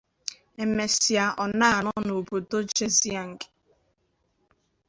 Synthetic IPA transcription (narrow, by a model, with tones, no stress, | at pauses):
e˨me˨si˨a˨ʔɔ˨na˦˨nɔ˦no˨bo˨do˦d͡ʒe˦zi˦a˨ŋ̩˨ke̥˨